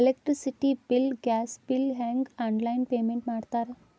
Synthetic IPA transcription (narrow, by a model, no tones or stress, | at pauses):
elekʈɾisiʈibilɡæsbilɦɛ̃ŋɡãɳlainpemeɳʈmaɽt̪aɾ